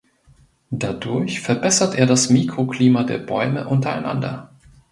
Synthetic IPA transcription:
d̥adʊɐçfɛɐbɛsɐtʔeːɐɾasmiːkʁ̥okl̥iːmadḛːɐbɔʏməʔʊntɐa̰ɪna̰ndɐ̰

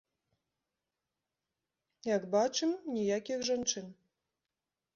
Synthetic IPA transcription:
jakbat͡ʂɨmnʲijakʲixʐant͡ʂɨn

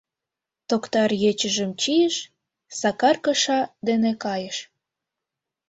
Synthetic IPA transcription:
t̪okt̪ɑrjet͡ɕəʒəmt͡ɕijəʃ | sɑkɑrkə̆ʃɑd̪enekɑjəʃ

